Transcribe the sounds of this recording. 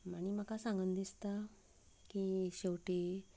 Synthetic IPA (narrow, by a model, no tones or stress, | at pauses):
maɽ̃im̤akasãŋɡənd̪ist̪a | kiɕewʈe